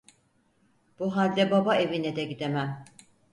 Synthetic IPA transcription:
b̥uɦalʲd̪ɛbabae̞vinɛd̪ɛɟid̪emæm

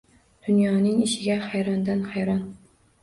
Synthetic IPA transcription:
d̪̥unjɑːnɪŋiʃɪɡʲɛχæjɾɑnd̪ɑnχɑæjɾɑn

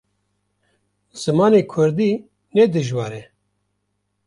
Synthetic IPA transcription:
z̥ɨmɑːneːkʰʊɾd̪i | nɛd̪ɨʒwɑːɾɛ

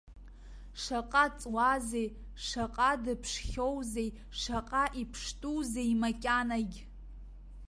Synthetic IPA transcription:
ʂaqʼat͡sʼwazej | ʂaqʼadɨpʰʂχʲowzej | ʂaqʼaʔipʰʂtʼuzejmakʲʼanaɡʲ

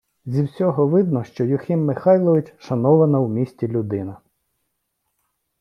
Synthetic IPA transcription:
zʲiwsʲɔɦɔʋɪd̪̚nɔʃt͡ʃɔjʊxʲimːɪxɑjlˠɔʋɪt͡ʃʃɐnɔʋɐnɐwmʲisʲtʲilʲʊd̪ɪnɐ

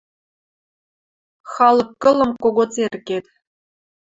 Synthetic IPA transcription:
xɑlˠɤ̆kːɤ̆lˠɤ̆mkoɡot͡serʲkʲet̪ʲ

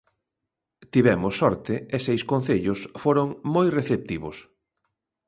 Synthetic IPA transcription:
t̪iβɛmʊsːɔɾt̪ɪesejskon̟θeʎʊsfoɾoŋmojreθep̚t̪iβʊs

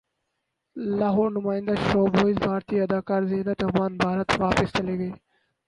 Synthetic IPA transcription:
laːɦoːɾnʊmaːɪ̃nd̪aːʃoːbʱoːizbʱaːɾt̪iːɐd̪aːkaːɾzeɦnət̪ʊmaːnbʱaːɾət̪ʋaːpəst͡ʃɐleːɡeː

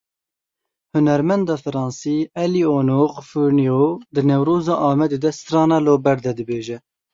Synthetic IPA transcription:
hʊnɛɾmɛnd̪ɑːfɨɾɑːnsiːɛlioːnoːqfuɾnijod̪ɨnɛwɾoːzɑːʔɑːmɛd̪eːd̪ɛsɾɑːnɑloːbɛɾd̪ɛd̪ɨbeːʒɛ

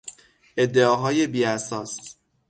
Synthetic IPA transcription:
e̞d̪ːeɒːɦɒːjebiːæsɒːs

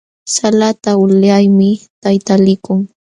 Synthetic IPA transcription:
salat̪aʊʎajmɪt̪ajt̪alɪkʊŋ

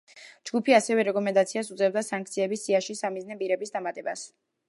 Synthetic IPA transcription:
d͡ʒɡupʰiasɛvɛɾɛkʼɔmɛnd̪at̪sʰiasut̪zʼɛbd̪asaŋk̚ʰt̪sʰiɛbisiaʃisamiznɛpʼiɾɛbisd̪amat̪ʼɛbas

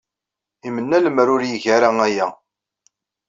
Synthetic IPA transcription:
imənːæləmɾʊɾjəʝæɾaæjæ

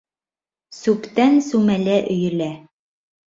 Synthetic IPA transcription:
sʉpt̪ænsʉmælæʔɵ̆jɘ̆læ

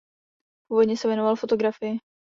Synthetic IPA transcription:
puːvodɲɛsɛvjɛnovalfo̞t̪o̞ɡɾafɪjɪ

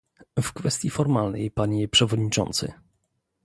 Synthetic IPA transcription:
fkfɛst̪ʲjifɔɾmalnɛ̰jpaɲɛpʂɛvɔd̪ɲit͡ʂɔ̰nt̪sɘ̰

